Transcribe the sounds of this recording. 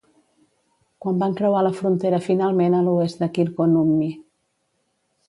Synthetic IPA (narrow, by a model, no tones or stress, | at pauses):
kwambaŋkɾəwaləfɾunt̪eɾəfinalˠmenəluest̪d̪əkilˠkonumːi